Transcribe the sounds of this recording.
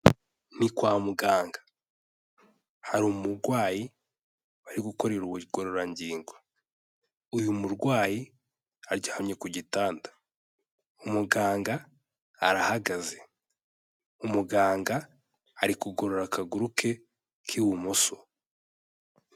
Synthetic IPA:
nikwaːmuɡaːŋɡḁ | haɾumuɾɡwaːji | aɾiɡuko̞ɾe̞ɾuβuɡo̞ɾo̞ɾaɲɟiːŋɡwa | ujumuɾɡwaːji | aɾɟaːhamɲe̞kuɟitaːndḁ | umuɡaːŋɡaː | ɾahaɡaze̞ | umuɡaːŋɡaː | ɾikuɡo̞ɾo̞ɾakaɡuɾukʰe̞ | kʰiwumuso

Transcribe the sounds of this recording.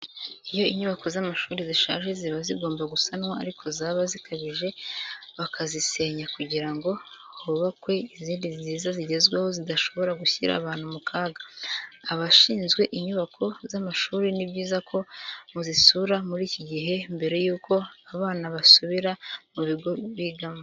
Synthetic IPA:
ijo̞iɲuβako̞zamaʃuːɾiziʃa̰ːʒe̞ziβaziɡo̞ːmbaɡusanwaaɾikʰo̞zaːβazikʰaβiʒe̞βakʰazise̞ɲakuɟiɾaŋɡo̞ | huβakwe̞iziːndiziːzaziɟe̞zɡweho̞zidaʃo̞βo̞ɾaɡuçiɾa̰βaːn̥humukʰaːɡaː | βaʃiːnzɡwe̞ʔiɲuβakʰo̞zamaʃuːɾinibɟiːzakʰo̞muzisuɾamuɾiːciɟiɦe̞mbe̞ɾe̞juːkʰo̞aβaːnaβasuβiɾamuβiɡo̞βiɡama

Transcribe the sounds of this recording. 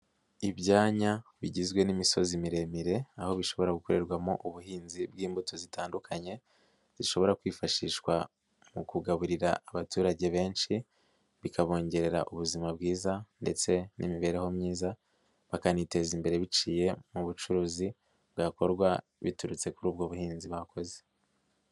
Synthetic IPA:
iβɟaːɲaβiɟizɡwe̞nimiso̞zimiɾe̞miɾe̞aho̞βiʃo̞βo̞ɾaɡuko̞ɾe̞ɾɡwamo̞ʔuβuhiːnzibɡiːmbuto̞zitʰaːndukʰaɲe̞ | ziʃo̞βo̞ɾakwiːfaʃiːʃwa | mukuɡaβuɾiɾaaβatuːɾaɟe̞βe̞ːnʃi | βikʰaβo̞ːɲɟe̞ɾe̞ɾa̰ʔuβuzimabɡiːzande̞̰t͡se̞nʔḭmiβe̞ːɾeho̞mɲiːza | βakanite̞ːzimbe̞ɾe̞βit͡ʃiːje̞muβut͡ʃuɾuːzi | bɡako̞ɾɡwa | βituɾut͡se̞kuɾuːbɡo̞βuhiːnziβahako̞ze̥

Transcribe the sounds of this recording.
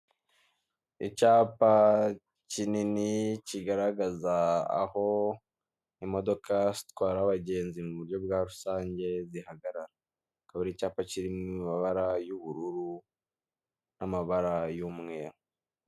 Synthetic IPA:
icaːpa | cininiciɡaɾaɡaza̰ːho̞ | imo̞do̞kʰazi̥t̪waːɾaːβaɟe̞ːnzimuβuɾjo̞bɡaːɾusaːɲɟe̞zihaɡaɾaɾa | kaβiɾecaːpaciɾinimaβaɾajuβuɾuɾu | namaβaɾajumŋeo

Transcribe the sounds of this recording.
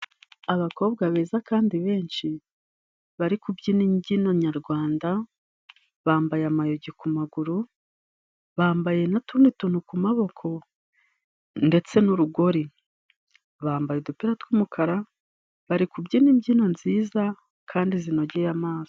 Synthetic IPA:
aβako̞ːβɡaβeːzakaːndiβe̞ːnʃi | βaɾikubɟinimɟinoɲaɾɡwaːnda | βaːmbajamajoɟikumaɡuɾu | βaːmbaje̞natunituːn̥hukumaβo̞kʰo̞ | nde̞t͡se̞nuɾuɡo̞ɾi | βaːmbajedupiɾatkwumukʰaɾa | βaɾikubɟiniːmɟino̞nziːza | kʰaːndizino̞ɟejamaːzi̥

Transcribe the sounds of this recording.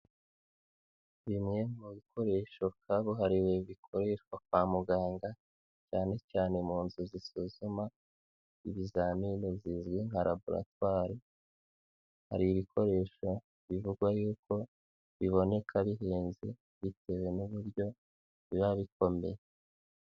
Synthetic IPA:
βimŋe̞muɡiko̞ɾe̞ːʃo̞βkʰaβoɦaɾiweβikʰo̞ɾeʃakwamuɡaːŋɡa | caːne̞caːne̞muːnzuzisuzuma | iβizaːminozizɡwiŋ̥aɾʔa̰buɾa̰twaːɾi | ha̰ɾiːβikʰo̞ɾe̞ːʃo̞ | βivuɡwajuːkʰo̞ | βiβo̞ne̞kʰaβiɦeːnze | βite̞we̞nuβuɾjo̞ | βiβaβik̚o̞me̞̰je

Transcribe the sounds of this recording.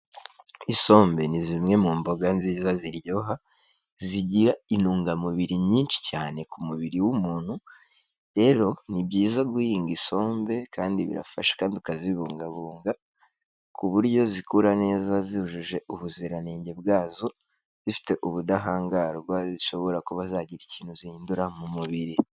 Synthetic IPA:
iso̞ːmbe̞nizimŋe̞muːmbo̞ɡanziːzaziɾjo̞ɦa | ziɟiɾainuːŋɡamuβiɾiɲiːnt͡ʃi̥caːne̞kumuβiɾiwumuːnhu | ɾe̞ɾo̞nibɟiːzaɡuhiːŋɡiso̞ːmbe̞kʰaːndiβḭɾa̰faʃḁkaːndiukaziβuːŋɡaβuːŋɡa | kʰuβuɾjo̞zikuɾane̞ːzaziuʒuʒe̞ʔuβuziɾaneːɲɟe̞bɡaːzo̞ | z̥ifi̥te̞ʔuβudaɦaːŋɡaɾɡwaziʃo̞βo̞ɾakuβazaːɟiɾiciːn̥huzihiːnduɾamumuβiɾi

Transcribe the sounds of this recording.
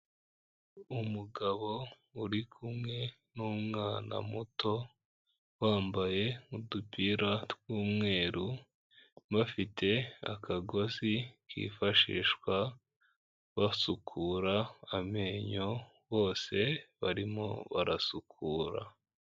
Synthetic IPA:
umuɡaβo̞ | uɾikʰumŋe̞ | numŋaːna̰mutʰo̞ | waːmbaje̞udupiːɾatwuːmŋe̞ːɾu | βafitʰe̞a̰kʰaɡo̞zikʰḭːfaʃḭːʃkwa | βasukʰuːɾaame̞ɲo̞ | βo̞ːse̞βaɾimo̞̰βaɾasukʰuːɾa̰

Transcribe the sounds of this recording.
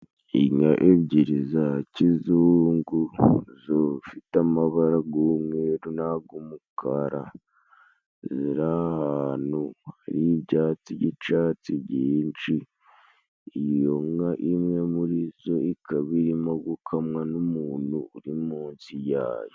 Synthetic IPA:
iɲaʔeβɟiɾizacizuːŋɡuzofitamaβaɾaɡomŋeɾunaɡumukʰaɾa | ziɾahaːnuhaɾiβɟaːt͡siɟit͡ʃat͡siɟiːnt͡ʃi | joŋaʔimɲamuɾizo̞ikʰaβiɾimoɡukʰamŋanumuːnuːɾimuːnsijaːjo

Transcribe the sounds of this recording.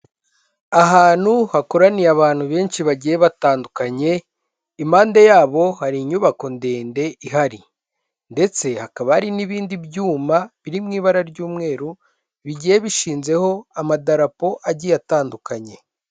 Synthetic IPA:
aɦaːn̥huhakoɾaniaβaːn̥huβe̞ːnʃiβaɟijeβataːndukaɲe̞ | imaːndejaːβo̞haɾiɲuβako̞nde̞ːnde̞iɦaɾi | nde̞t͡se̞hakaβaaɾiniβiːndibjuːmaβiɾimŋiːβaɾaɾɟuːmŋe̞ːɾu | βiɟijeβiʃiːnze̞ho̞amadaɾapo̞ʔaɟijataːndukaɲe̞

